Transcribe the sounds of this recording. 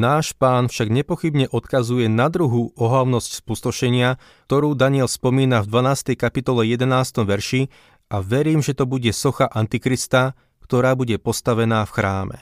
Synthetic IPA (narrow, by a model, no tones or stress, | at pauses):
naːʃpaːnfʃaɡɲɛpɔxibɲɛʔɔt̪kazujɛnad̪ɾuɦuɔɦlaʊnɔscspust̪ɔʃɛɲɪa | t̪ɔɾuːd̪aɲɪɛlspɔmiːnavd̪ʋanaːst̪ɛjkapit̪ɔlɛjɛd̪ɛnaːst̪ɔmʋɛɾʃi | aʋɛɾiːmʒɛt̪ɔbuɟɛsɔxaʔant̪ikɾist̪a | kt̪ɔɾaːbuɟɛpɔst̪aʋɛnaːfxɾaːmɛ̰